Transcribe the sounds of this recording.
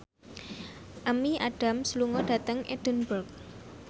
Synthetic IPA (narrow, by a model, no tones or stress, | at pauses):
ʔəmiʔaɖ̥a̤msluŋɔɖ̥a̤t̪əŋʔeɖ̥ə̤nbərk̚